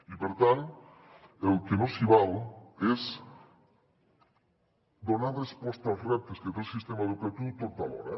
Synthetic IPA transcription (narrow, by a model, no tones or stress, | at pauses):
ipeɾt̪an | elkenosiβales | d̪onaɾrespɔst̪azrɛp̚t̪esket̪elsist̪emaðukɾat̪ut̪oɾ̚t̪aβo̰ɾa̰